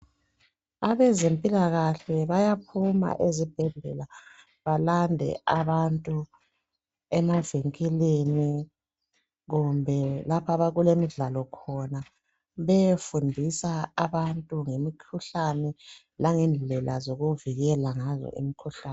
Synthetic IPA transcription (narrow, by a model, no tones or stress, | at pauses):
aβɛzempʼilaɣaɬɛβajap̚ʰuma̰ʔezib̥ʱɛɮɛ̰la | βalandʱɛ̰aβantʼu | ɛmaviŋkʼileni | ɣumbʱɛlapʰaβaɣulemiɮalɔkʰɔna | βɛjefundʱisaːβantʼuŋemikʰuɬanɛ | laŋɛnd͡ɮʱɛlazoɣuviɣɛlaŋazɔ̰ʔḭmikʰuɬaːn